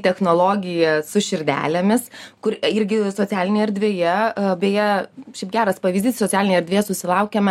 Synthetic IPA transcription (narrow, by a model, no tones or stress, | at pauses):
t̪ʲɛxnoːlˠoːɡʲɪjɛsʊʃʲɪɾʲd̪ʲæ̰ːlʲɛmʲɪskʊɾɪɾʲɡʲɪsoːt͡sʲæːlʲɪnʲejɛɛɾʲd̪ʲʋʲeːjɛbʲeːjɛʃʲɛɪpɡʲæːɾɐspɐʋʲiːzʲd̪ʲiːssoːt͡sʲæːlʲɪnʲjɛɾʲd̪ʲʋʲeːjɛsʊsʲɪlˠɐʊkʲɛmɐ